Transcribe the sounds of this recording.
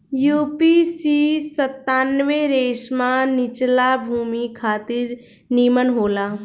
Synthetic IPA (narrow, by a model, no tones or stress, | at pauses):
juːpisisət̪ːaːnʋeɾeːʃmãnɪt͡ʃlabʱuːmikʰaːt̪ɪɾ | niːmənɦoːlaː